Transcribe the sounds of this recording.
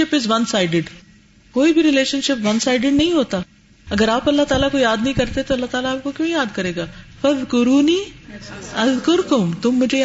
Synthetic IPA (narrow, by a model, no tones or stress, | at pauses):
ɪpɪzʋɐnsaːɪɖɪɖ | koːibʱiɾɪleːʃənʃɪpʋɐnsaːɪɖɪɖnɐɦĩɦoːt̪a | ɐɡəɾaːpɐlːaɦt̪aːlakoijaːd̪nɐɦĩkɐɾt̪et̪oɐlːaɦt̪aːlaːp̚kokjõjaːd̪kɐɾeːɡaːfɐðkʊɾuːniː | ɐðkʊɾkʊmt̪ʊmːʊd͡ʒʱe